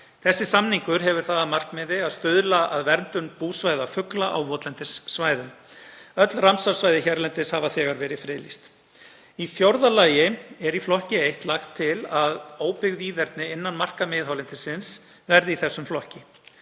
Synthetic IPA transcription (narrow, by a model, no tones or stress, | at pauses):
θɛsːɪsamniŋkʏɾ̥ɦɛvʏɾ̥θaːðamar̥kmɪːðɪaðst̪ʏðlaaðvɛɾnt̪ʏnpuːsvajðafʏklaʔa̰wvɔːt̪lɛnt̪ɪsːvaːjðʏm | œt̪lramsaɾsvaːjðɪçɛɾlɛnt̪ɪshavaθɛːɣaɾvɛːɾɪfɾɪːlist̪ | ifjowɾðalaːjɪɛɾiflɔhcɪejht̪laxt̪ʰːɪlaðoːwpɪɣðiːðɛɾt̪nɪɪnːanmar̥kamɪðɦawlɪnt̪ɪsɪns | vɛɾðɪiθɛsːʏmflɔhcɪ